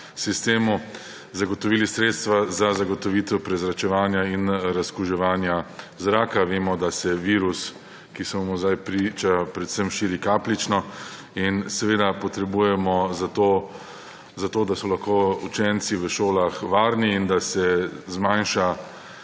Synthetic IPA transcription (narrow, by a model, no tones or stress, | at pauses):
sist̪eːmu | zaɡɔt̪ɔʋiːlisɾeːt̪st̪ʋazazaɡɔt̪ɔʋiːt̪ɛwpɾɛzɾat͡ʃɛʋaːnjainɾaskuʒɛʋaːnjazɾaːkaʋeːmɔd̪asɛʋiːɾus | kismɔmuzajpɾit͡ʃapɾɛt̪səmʃiːɾikaːplit͡ʃnɔ | insɛʋeːd̪apɔt̪ɾɛbuːjɛmɔzat̪o | zat̪oːd̪asɔlaxkout͡ʃɛnt̪siʋəʃoːlaxʋaɾniːnd̪asɛzmanʃa